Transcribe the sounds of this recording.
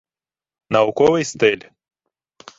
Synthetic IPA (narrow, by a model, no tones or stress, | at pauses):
nawkowejst̪elʲ